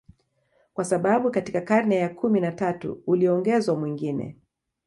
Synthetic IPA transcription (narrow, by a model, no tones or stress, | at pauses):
kwasaɓaɓukatikakaɾnɛjakʰuminatatṵːliɔŋɡɛzwamwiŋɡinɛ̰